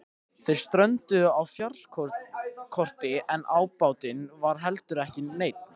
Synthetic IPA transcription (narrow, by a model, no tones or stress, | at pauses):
θejɾ̥st̪ɾœɥnt̪ʏawfjarl̥kʰ | kʰɔr̥t̪ɪʔɛnʔaːwpaːwt̪ɪnvaɾ̥ɦɛlt̪ʏɾɛhcɪːeːjt̪̚n